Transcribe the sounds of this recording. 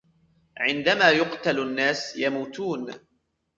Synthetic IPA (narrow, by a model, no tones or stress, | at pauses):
ʕɪnd̪amaːjʊqt̪alanːaːsjamuːt̪uːn